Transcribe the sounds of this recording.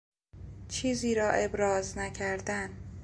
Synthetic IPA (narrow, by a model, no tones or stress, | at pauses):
t͡ʃʰiːziːɾɒːʔe̞bɾɒːznæcʰæɾd̪æn